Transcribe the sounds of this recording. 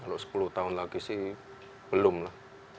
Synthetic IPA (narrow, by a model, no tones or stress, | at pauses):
kaloʔsə̥pulʊht̪aʊnlaɡisɪh | b̥əlʊmlah